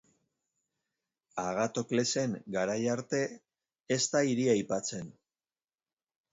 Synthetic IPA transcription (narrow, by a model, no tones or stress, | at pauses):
aɣ̞at̪o̞kle̞se̞ŋɡaɾajaɾt̪e̞ː | st̪aiɾiajpat͡se̞n